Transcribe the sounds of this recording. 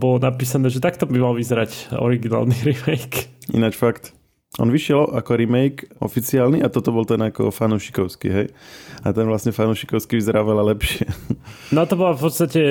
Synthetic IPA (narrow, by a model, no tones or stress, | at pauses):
bɔlɔnapiːsanɛːʒɛt̪akt̪ɔbimalʋizɛɾacɔ̰ɾiɡina̰ːlniɾimɛjkḭnat͡ʃfakt̪ | ʔɔ̰nʋiʃɪɛlakɔɾimɛjkɔ̰fit͡siaːlniʔat̪ɔt̪ɔbɔlt̪ɛnakɔ̰fanuːʃi̥kɔʊskḭɦɛjat̪ɛnʋlasɲɛfanuːʃi̥kɔʊskiʋizɛɾaːɔʋɛlalɛpʃɪɛnat̪ɔbɔlafpɔt̪st̪acɛ